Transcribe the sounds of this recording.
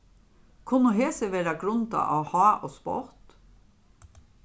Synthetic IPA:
kʰʊməɦeːsəʋeːɾɑɡɾʉnt̪ɑ̰ʔɑːhɑːʔoːspɔ̰ɾt̪

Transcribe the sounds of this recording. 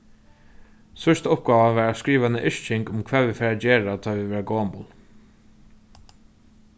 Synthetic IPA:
sœʂt̪ʊp̚ɡɑːʋaʋæːɹaskɹiːʋanəʔɪʂt͡ʃɪŋkʊmkʰvæːʋifɛːɹad͡ʒeːɹat̪ʰɑːʋiʋɛːɹaɡoːmʊ̰n

